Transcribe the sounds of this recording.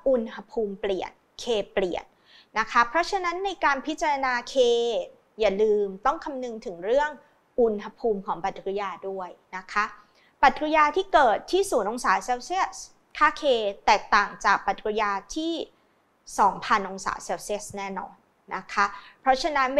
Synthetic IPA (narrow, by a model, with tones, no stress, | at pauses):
ʔu˧nha˧pʰuː˧mpli˨˩ən | kʰeː˧pli˨˩ənː | a˦˥kʰa˦˥pʰɾɔ˦˥t͡ɕʰa˧na˦˥nːa˧jkaː˧npʰi˦˥t̪̚t͡ɕa˧ɾa˧naː˧kʰeː˧ | jaː˨˩lɯː˧mt̪ɔ˥˩ŋkʰa˧mnɯ˧ŋt̪ʰɯ˩˦ŋɾɯ˥˩əŋ | ʔu˨˩nɦa˧pʰuː˧mkʰɔː˩˦ŋpa˨˩t̪̚kjaː˧du˥˩əjna˦˥kʰa˦˥ | pa˨˩t̪̚kɾa˧jaː˧t̪ʰiː˥˩kɤː˨˩t̪ʰːiː˥˩suː˩˦nʔo˧ŋsaː˩˦seː˧wsi˦˥˩ət̚ | kʰaː˥˩kʰeː˧t̪ɛː˨˩k̚t̪aː˨˩ŋt͡ɕaː˨˩k̚pa˨˩t̪̚kɾjaː˧t̪ʰiː˥˩ | sɔː˩˦ŋpʰa˧nʔo˧ŋsa̰ː˩˦seː˧wsi˦˥˩ə˩snɛː˥˩nɔ̰ː˧nː | a˦˥kʰa˦˥pʰɾɔ˦˥t͡ɕʰa˧na˦˥n